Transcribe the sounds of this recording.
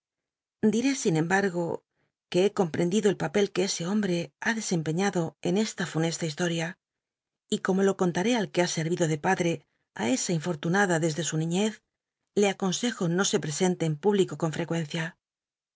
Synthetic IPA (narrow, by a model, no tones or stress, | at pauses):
d̪iɾe̞sinẽ̞mbaɾɣ̞o̞ | ke̞eko̞mpɾe̞nd̪iðo̞e̞lpape̞lke̞ese̞o̞mbɾe̞aðe̞se̞mpe̞ɲaðo̞e̞ne̞st̪afune̞st̪aist̪o̞ɾja | iko̞mo̞lo̞ko̞nt̪aɾe̞alke̞ase̞ɾβiðo̞ðe̞paðɾe̞ | a̰e̞saiɱfo̞ɾt̪unaðaðe̞zðe̞sunĩɲe̞θ | le̞ako̞nse̞xo̞no̞se̞pɾe̞se̞nt̪e̞ːmpuβliko̞ko̞ɱfɾe̞kwẽ̞n̟θja